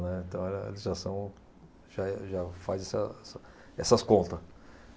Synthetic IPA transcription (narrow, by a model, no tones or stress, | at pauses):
nɛĩt̪ɐ̃w̃ɛlɐḛlɪzʒasɐ̃w̃ | ʒaɛʒafazɛsɐɛsɐ | ɛsɐskõnt̪ɐs